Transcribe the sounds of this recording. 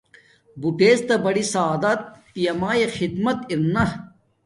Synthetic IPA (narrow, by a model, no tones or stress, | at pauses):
buʈeːst̪ɐbɐɽisaːd̪ɐt̪ːijɐmaːjexid̪mɐt̪iɾnɐ